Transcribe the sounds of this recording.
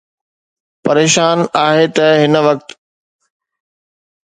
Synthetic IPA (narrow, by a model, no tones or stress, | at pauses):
pɐɾeːʃaːnaːɦet̪ɐɦɪnəʋɐk̚t̪